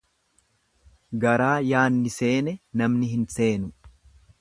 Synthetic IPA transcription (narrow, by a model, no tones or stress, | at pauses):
ɡɐɾaːjaːnːɪse̞ːnɛnɐmnɪɦɪnse̞ːnʊ